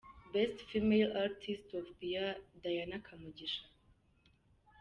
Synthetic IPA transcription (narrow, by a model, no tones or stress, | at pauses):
bɛstfimejlaɾtʰistɔvbijad̪ajanakʰamud͡ʒiʃa